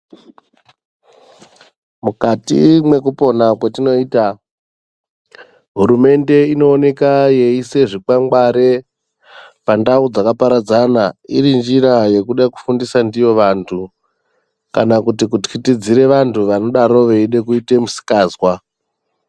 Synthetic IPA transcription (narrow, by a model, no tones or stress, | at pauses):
mukatḭmwe̞kupo̞nakwatino̞iːta | ɦuɾume̞nde̞ino̞ːne̞kaje̞ise̞ʐikaŋɡaɾe̞ | pandaud͡zakapaɾad͡zanaiɾind͡ʒiɾaje̞kuɗaku̥fundisandijo̞ʋantʰu | kanakutikutkitid͡ziɾe̞ʋantʰuʋano̞ɗaɾo̞ʋe̞iɗe̞kuite̞musi̥kaːzwa